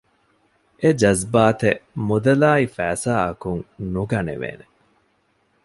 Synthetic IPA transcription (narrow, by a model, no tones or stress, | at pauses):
ʔed͡ʒɐzbaːt̪emud̪ɐlaːifæːsaːɐkuŋnuɡɐnḛʋḛːne